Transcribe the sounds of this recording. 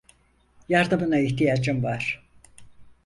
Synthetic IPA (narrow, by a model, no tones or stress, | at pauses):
jaɾd̪ɯmɯnaiçt̪ijad͡ʒɯmvaɾ̥